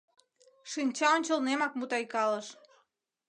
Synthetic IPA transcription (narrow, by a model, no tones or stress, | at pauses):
ʃinʲt͡ɕɑonʲt͡ɕəlnemɑkmut̪ɑjkɑləʃ